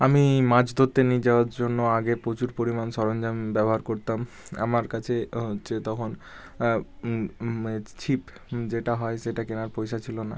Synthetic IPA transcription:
amimãd͡ʑd̪ʱot̪ːenid͡ʑaoaɾd͡ʑonːoaɡepɾot͡ɕuɾpoɾimanʃɔɾond͡ʑambɛboɦaɾkoɾt̪am | a̰maɾkat͡ɕʰeoːɕʰet̪ɔkʰon | t͡ɕʰip | d͡ʑeʈaɦɔeʃeʈakenaɾpojʃat͡ɕʰilona̰

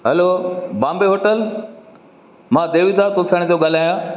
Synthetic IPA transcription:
ɦəloːbãːmbeɦoːʈəl | mãːd̪eːʋid̪aːɾpʊsʰaːɽ̃t̪ioɡal̤aːjãː

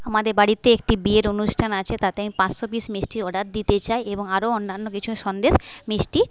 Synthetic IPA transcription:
amad̪eɾbaɽit̪ːeek̚ʈibieɾonuʃʈʰanat͡ɕʰet̪at̪eamipãt͡ɕʃobismisʈiɔɖat̪̚d̪it̪et͡ɕaeeboŋaɾoonːanːokit͡ɕʰuʃɔnd̪eʃmisʈi

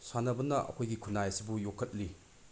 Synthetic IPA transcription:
sanɐbɐnːɐʔɐ̰kʰojɡikʰunːajɐsibujokʰːɐt̚li

